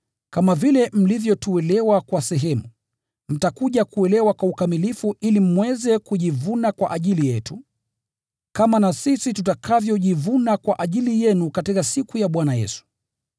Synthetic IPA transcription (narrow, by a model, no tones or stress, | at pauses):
kamavilɛm̩livjɔtuɛlɛwakwasɛɦɛmu | m̩takuʄakuɛlɛwakwaukamilifuilim̩wɛzɛkuʄivunakwa̰ʔaʄilijɛtu | kamanasisitutakʰavjɔʄivunakwaʔaʄilijɛnukatikasikujaɓwanajɛ̰su̥